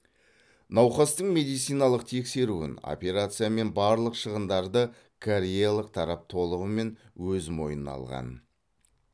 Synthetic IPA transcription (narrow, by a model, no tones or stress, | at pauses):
nɑwχɑst̪əɴmʲe̞d̪ijt̪sijnɑlˠəq̚t̪ʰe̞kse̞ɾuɪ̰no̞̰pe̞ɾat̪sɨjame̞nbɑɾlˠəqʃəʁənd̪ɑɾd̪ə | kʰoɾʲejalˠəq̚t̪ʰɑɾɑp̚t̪ʰo̞lˠəʁəme̞nwɵzmo̞̰jənɑ̰lˠʁɑ̰n